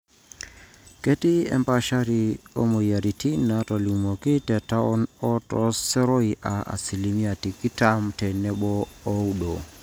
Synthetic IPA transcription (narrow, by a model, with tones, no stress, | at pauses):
ke˦ti˦ɛ̰˨mpa˦ʃa˦ɾi˨o̰˦mo˨ja˨ɾi˨ti˦na˨tɔ˨lu˨mo˨ki˦tɛ˨ta˦ɔ˦nɔ˦tɔ̰˨sɛ˦ɾɔ˦i˨ʔa˨a̰˨si˨li˨˦mi˦a˨ti˨ki˦ta˦mtɛ˨nɛ˦bɔː˦u˦do˨